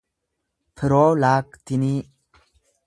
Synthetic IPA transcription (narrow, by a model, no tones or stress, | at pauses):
pʰɨɾoːlaːkt̪ini